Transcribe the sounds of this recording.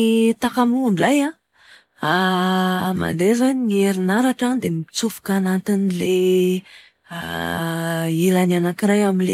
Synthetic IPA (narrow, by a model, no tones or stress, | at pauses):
t̪akamuɳaja | a | ma̰nd̪ezanieɾinaɾaʈ͡ʂad̪emit͡sufu̥kanant̪inile | ilananakiɾajaminle